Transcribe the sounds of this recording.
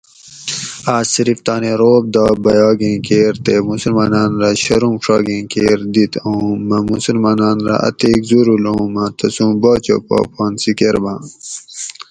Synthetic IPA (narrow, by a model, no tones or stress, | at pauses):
aːsiɾift̪aːneɾoːb̚d̪ɑːbɐjɑːɡĩːkeːɾt̪emusulmaːnaːnɾaɕɐɾũmʂɑːɡĩːkeːɾd̪it̪ʰũmɐmusulmaːnaːnɾa̰ʔɐ̰t̪eːkzuɾulomat̪ʰɐsũːbaːt͡ɕo̰pɑ̰ːpɑːnsikeɾbãː